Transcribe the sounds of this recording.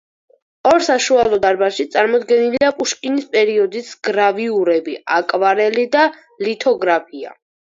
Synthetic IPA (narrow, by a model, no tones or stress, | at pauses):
ɔɾsaʃualˠɔd̪aɾbaʃit̪sʼaɾmɔd̪ɡɛniliapʼuʃkʼinispʼɛɾiɔd̪isɡ̥ɾaviuɾɛbiakʼvaɾɛlid̪a | lit̪ʰɔɡɾapʰia̰